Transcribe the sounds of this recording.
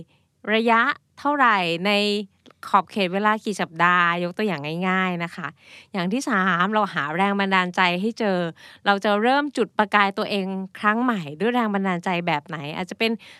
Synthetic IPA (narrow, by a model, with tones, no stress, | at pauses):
ɾa˧ja˦˥ʔt̪ʰa˥˩wɾa˨˩jna˧j | kʰɔː˨˩p̚kʰeː˨˩t̪̚weː˧laː˧kiː˨˩sa˨˩p̚daː˧jo˦˥k̚t̪u˧əjaː˨˩ŋːa˥˩jŋaː˥˩jna˦˥kʰa˦˥ʔjaː˨˩ŋt̪ʰiː˥˩saː˩˦mɾa˧whaː˩˦ɾɛː˧ŋba˧ndaː˧nt͡ɕa˧jɦa˥˩jt͡ɕɤː˧ɾa˧wt͡ɕa˨˩ɾɤː˥˩mt͡ɕu˨˩t̪̚pɾa˧kaː˧jt̪u˧ɐʔeː˧ŋkʰɾa˦˥ŋma˨˩jdu˥˩əjɾɛː˧ŋba˧ndaː˧nt͡ɕa˧jbɛː˨˩p̚na˩˦jʔa̰ː˨˩t̪̚t͡ɕa˨˩pe˧n